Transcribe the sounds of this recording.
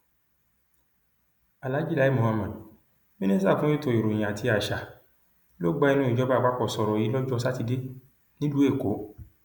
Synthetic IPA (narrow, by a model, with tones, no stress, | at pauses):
a˨la˨˦d͡ʒi˦la˨˦i˦mõ˨ha˧mã˨d | mĩ˦nĩ˦sa˦˨fũ˦e˦˨to˧˨i˨ɾo˨j̃a˨tʰi˧a˨ʃa˨ | lo˦ɡ͡ba˧˦i˦˧nũ˦i˦˨d͡ʒɔ˨˦ba˦˨ɡ͡ba˦k͡pɔ˦˨sɔ˨ɾɔ˨ji˨˦lɔ˦d͡ʒɔ˦s̬a˦ti˧de˦ | nĩ˦lu˨˦e˦˨ko˨˦